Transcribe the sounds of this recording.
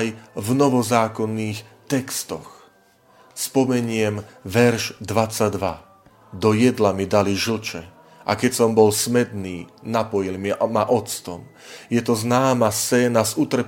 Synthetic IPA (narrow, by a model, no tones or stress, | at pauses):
jvnɔʋɔzaːkɔnːiːxt̪ɛkst̪ɔx | spɔmɛɲɪɛmʋɛɾʒd̪ʋat͡sad̪ʋa | d̪ɔjɛd̪lamid̪aliʒl̩t͡ʃɛ | ʔa̰kɛcsɔmbɔlsmɛd̪niːnapɔjilmimaʔɔt͡st̪ɔm | jɛt̪ɔznaːmast͡sɛːnazut̪r̩p